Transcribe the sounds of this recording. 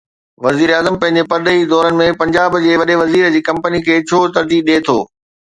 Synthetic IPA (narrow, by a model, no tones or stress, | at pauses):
ʋɐziːɾaːzəmpɐ̃ɦɪ̃ɲd͡ʑepɐɾd̪əid̪ɔːɾənɪ̆mẽpɐ̃ɲd͡ʑaːbd͡ʑeːʋɐɗeʋɐziːɾəd͡ʑiːkɐ̃mpənikʰeːt͡ɕʰoːt̪ɐɾd̪iːɗeːt̪ʰo̰ː